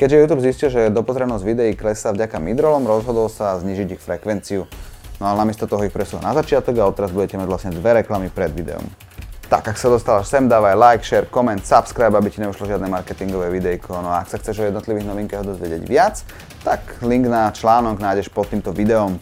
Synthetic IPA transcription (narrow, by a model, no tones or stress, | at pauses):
kɛɟʒɛjuːt̪̬uːbziscilʒɛd̪ɔpɔzɾɛnɔzɟʋid̪ɛiklɛsavɟakamid̪ɾɔlɔmɾɔzɦɔd̪ɔlsazɲiːʒiɟixfɾɛkʋɛnt͡siunɔanamɪɛst̪ɔt̪ɔɦɔixpɾɛsula̰nazat͡ʃɪat̪ɔɡaɔt̪ːɛɾazbuɟɛcɛmaɟʋlasɲɛd̪ʋɛɾɛklamipɾɛd̪ʋid̪ɛ̰ɔ̰m | t̪a̰ɡaksad̪ɔst̪alaʃsɛmd̪aːʋajlajkʃɛɾkɔmɛnt̪sapskɾajbabiciɲɛuʃlɔʒɪad̪nɛmaɾkɛt̪iŋɡɔʋɛʋid̪ɛikʰɔnɔaaksaxt͡sɛʒɔjɛd̪nɔt̪liʋiɣnɔʋiŋkaɦɔd̪ɔzʋɪɛɟɪɛ̰ɟʋɪat͡s | t̪akliŋɡnat͡ʃlaːnɔɡnaːjɟɛʃpɔt̪ːiːmt̪ɔʋid̪ɛɔm